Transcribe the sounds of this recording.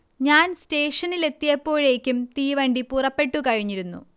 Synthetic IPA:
ɲaːnste̞ːʂɐnile̞t̪ːijɐpːo̞ːɻe̞ːkʲːumt̪iːʋɐɳɖipurɐpːe̞ʈːukɐɻiɲːiɾunːṵ

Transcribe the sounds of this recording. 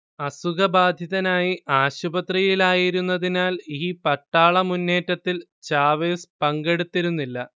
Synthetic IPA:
ɐsuɡɐbaːd̪ʱjɐðɐnaːjiʔaːɕubɐt̪rijilaːjiɾunːɐðinaːliːpɐʈːaːɭɐmunːe̞ːtːɐt̪ːil | t͡ɕaːʋeːspɐŋɡe̞ɽut̪ːiɾunːilːɐ

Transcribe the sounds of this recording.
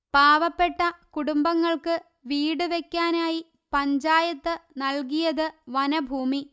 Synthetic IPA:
paːʋɐpːe̞ʈːɐkuɽumbɐŋːɐɭkɨ | ʋiːɽɨʋekʲːaːnaːji | pɐɲd͡ʑaːjɐt̪ːɨnɐlkijɐðɨʋɐnɐbʱuːmi

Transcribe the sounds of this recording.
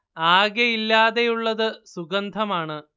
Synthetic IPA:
aːɡjɐjilːaːðe̞juɭːɐðɨsuɡɐnd̪ʱɐmaːɳɨ

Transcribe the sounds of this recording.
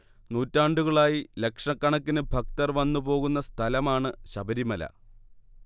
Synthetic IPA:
nuːtːaːɳɖuɣɐɭaːjile̞kʂɐkːɐɳɐkːinɨbʱɐk̚t̪ɐrʋɐnːubo̞ːɣunːɐst̪ʰɐlɐmaːɳɨɕɐbɐɾimɐlɐ̰

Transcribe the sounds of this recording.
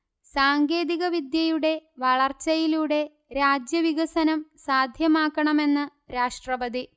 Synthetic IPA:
saːŋɡe̞ːðiɣɐʋid̪jɐjuɽe̞ʋɐɭɐrt͡ɕːɐjiluɽe̞ | ɾaːd͡ʑjɐʋiɣɐsɐnɐmsaːd̪ʱjɐmaːkːɐɳɐme̞nːɨ | ɾaːʂʈrɐʋɐd̪i

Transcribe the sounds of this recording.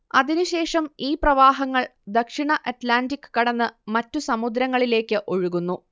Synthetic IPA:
ɐðinuɕe̞ːʂɐmiːprɐʋaːɦɐŋːɐɭd̪ɐkʂiɳɐʔɐtlaːndikːɨ̥kɐɽɐnːɨmɐtːusɐmud̪ɾɐŋːɐɭile̞ːkːɨʔo̞ɻuɣunːu

